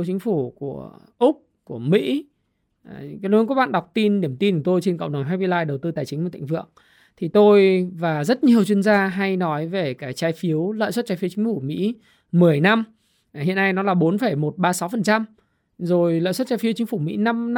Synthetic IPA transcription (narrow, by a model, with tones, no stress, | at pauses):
wt͡ɕi˨˦ŋ̟fu˧˩ku˧˩əʔʊ˦˥k͡p̚ | ku˧˩əmḭ˧˥˨ | kːk̚ɓ̰a̰ː˧˨ɗa˨˩wk͡p̚t̪i˧nɗi˧˩əmt̪i˧n˧˩t̪o˧jt͡ɕe˧nkə̰˧˨wŋ͡mɗə˨˩wŋ͡mɦaː˧jɓi˧laː˧jɗə˨˩wt̪ɨ˧t̪aː˨˩jt͡ɕï˨˦ŋ̟aː˧˨˩t̪a̰˧˨ŋvɨ̰˧˨əŋ | t̪ʰi˨˩t̪o˧jvaː˨˩zə˦˥t̚ɲi˨˩əwt͡ɕwi˧ənzaː˧ɦa˧jnɔ˨˦jve˨˩kaː˨˦jt͡ɕaː˨˦jfi˨˦əwlə̰ː˧˨jswə˦˥t̚t͡ɕaː˨˦jfi˨˦wt͡ɕï˨˦ŋ̟fu˧˩mḭ˧˥ | mɨ˨˩əjna˧m | hḭ˧˨əna˧jnɔ˨˦laː˨˩ɓo˨˦nfə˧˩jmo˨˩t̚ɓaː˧sa˨˦wfə˨˩nt͡ɕa˧m | zo˨˩jlə̰˧˨swə˦˥t̚t͡ɕaː˧jfi˨˦ət͡ɕï˨˦ŋ̟fu˧˩mḭ˧˥na˧m